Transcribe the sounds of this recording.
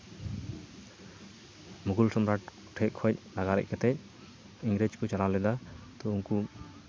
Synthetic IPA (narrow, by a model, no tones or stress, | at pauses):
muɡulsɔmɾaʈ | ʈʰɛc̚kʰɔc̚naɡaɾɛ̰ʔ̚kɛt̪ɛc̚ | iŋɡɾed͡ʒkɔt͡ʃalalɛd̪at̪ɔuŋku